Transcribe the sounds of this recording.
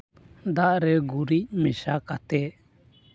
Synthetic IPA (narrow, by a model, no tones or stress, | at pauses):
d̪aʔɾɛɡuɾic̚mɛʃakat̪ɛ